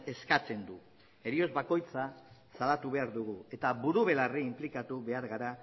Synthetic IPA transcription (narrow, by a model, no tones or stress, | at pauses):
e̞skat͡se̞nd̪u | e̞ɾio̞zβako̞jt͡sasalat̪uβe̞aɾðuɣue̞t̪aβuɾuβ̞e̞lariːmplikat̪uβe̞aɾɣaɾa